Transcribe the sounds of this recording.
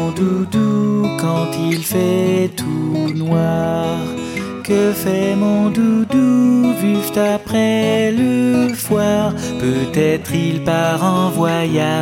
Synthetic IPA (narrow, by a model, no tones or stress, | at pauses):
d̪ud̪ukɑ̃t̪ilfɛt̪ʰunwaʁ | kəfɛmɔ̃d̪ud̪uʒyst̪apχɛləfwaʁpøt̪ɛt̪χilpaʁɑ̃vwaja